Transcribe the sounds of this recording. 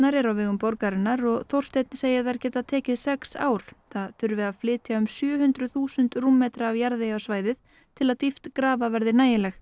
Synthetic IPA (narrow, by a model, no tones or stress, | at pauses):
naɾɛɾawvɪːɣʏmpɔɾkaɾɪnaɾɔɣθowr̥st̪ɛjt̪nseːjɪθaɾcɛːt̪aðt̪ʰɛːcɪðsɛksa̰ːwɾ̥θaðθʏɾvɪðaðflɪːt̪jaʏmsjœːhʏnt̪ɾʏθuːsʏnt̪ruːmːɛːt̪ɾaːvjaɾðɪjawsvaːjðɪð̥ | t̪ʰɪlaðt̪ift̪kɾaːvavɛɾðɪnaːjɪlɛx